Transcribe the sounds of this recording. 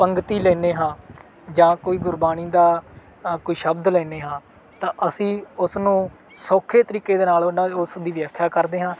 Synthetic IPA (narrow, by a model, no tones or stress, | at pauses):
pəŋɡt̪iːlɛːneːɦãː | d͡ʒãːkoːiːɡʊɾbaːniːd̪aː | koːiːʃəbd̪lɛːneːɦãː | t̪ãːʔəsĩːʊsnũː | soːkʰeːt̪əɾiːkeːd̪eːnaːlonaːʊsd̪iːʋɪjaːkʰːjaːkəɾd̪eːɦãː